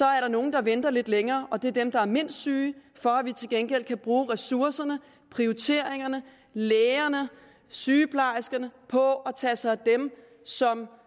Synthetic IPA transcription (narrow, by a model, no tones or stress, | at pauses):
sɒ̽æɐɾɑ̈no̝ːn̩d̥ɑ̈ʋend̥ɐle̝d̥leŋɐːʔɒ̽d̥e̝ɐd̥emd̥ɑ̈æɐme̝n̰sd̥syːfɒ̽æʋit͡sʰe̝lɡ̥enɡ̥el̰kʰæb̥ʁuːʁɛsuɐsɐnə | pʰʁiot͡sʰe̝ɐ̰eŋɐnə | leːɐnə | syːpʰlɑ̈ɪsɡ̥ɐnəpʰɒ̽ɒt͡sʰɛːsɑ̈ɪd̥em | sɒ̽m